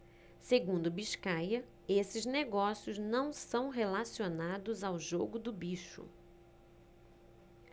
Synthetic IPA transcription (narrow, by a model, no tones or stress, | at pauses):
seɡũnd̪ʊbiʃkajɐ | esɪzneɡɔsiʊznɐ̃w̃sɐ̃w̃ɦelasionad̪ʊzawʒoɡʊd̪ʊbiʃʊ̰